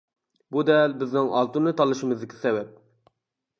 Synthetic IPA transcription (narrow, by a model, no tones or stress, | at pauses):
bud̪ɛlbɪznɪŋɑ̰lˠt̪unːɨt̪ʰɑlˠɨʃimɨzd̪ɪkʲʰi̥sɛbɛp̚